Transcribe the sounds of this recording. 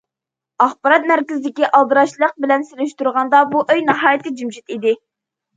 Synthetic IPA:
ɑχbɑɾɑt̪̚mæɾkʲɪzɪd̪ɪkʲiʔɑlˠd̪ɨɾɑʃlˠəq̚bɪlɛnselyʃt̪uɾʁɑnd̪ɑbuʔøjnɑɦɑːjt̪ɪd͡ʒymʃit̪id̪ɪ

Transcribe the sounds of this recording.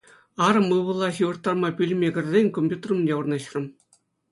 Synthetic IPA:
ɑɾɤ̆mɯʋɤ̆lˠːɑɕiʋɤ̆rt̪ːɑrmɑpʲylʲmʲeɡʲɘ̆rʲzʲenʲkomʲpʲjut̪rɤ̆mdʲeurnɑɕrɤ̆m

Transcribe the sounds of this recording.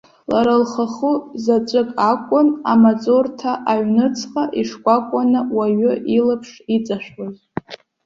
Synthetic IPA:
laɾalχaχuzat͡ʃʷʼɨkʼakʷʼʊnamat͡sʼortʰaʔaɥnɨt͡sʰqʼaʔiʂkʷʼakʷʼanɨwaɥʏʔilapʰʂit͡sʼaʃᶣoz

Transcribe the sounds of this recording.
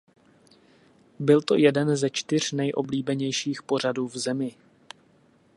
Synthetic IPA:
bɪlt̪o̞̰jɛdɛnzɛt͡ʃt̪ɪr̝̥nɛjʔo̞̰bliːbɛɲɛjʃiːxpo̞r̝aduːvzɛmɪ

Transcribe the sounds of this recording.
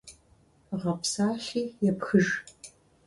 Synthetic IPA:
ʁɐpsaːʃiːjɛpxɨʒ

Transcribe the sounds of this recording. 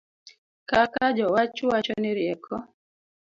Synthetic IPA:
kakad͡ʒɔwat͡ʃʊwat͡ʃɔnɛɾjɛkʰɔ

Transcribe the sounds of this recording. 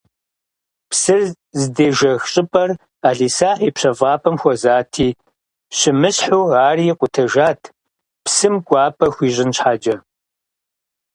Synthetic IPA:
psɨ | zdeːʒɐxɕʼɪpʼɐr | aːɮiːsaːħiːpɕɐvɑːpʰʼɐmxʷɔzaːtʰiː | ɕɪmɨɕħuːaːriqʷʼʊtʰɐʒaːtʰ | psɨmkʷʼɑːpʰʼɐxʷiːʒʑɪnɕħaːd͡ʒɐ

